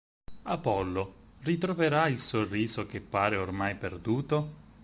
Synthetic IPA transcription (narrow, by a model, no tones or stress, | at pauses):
apɔlːorit̪ɾoveɾailsorːiːzok̟epːaːɾeormajperd̪uːt̪o